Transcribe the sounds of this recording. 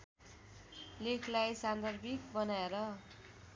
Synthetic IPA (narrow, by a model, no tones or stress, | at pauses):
lekʰlajsand̪ʱʌrbʱik̚bʌnaeɾʌ